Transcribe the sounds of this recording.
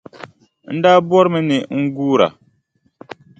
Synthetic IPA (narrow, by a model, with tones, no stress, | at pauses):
n̩˦daː˦bɔ˦ɾmɨ˦nɪ˨ŋ̩˦ɡuː˦ɾa̰˨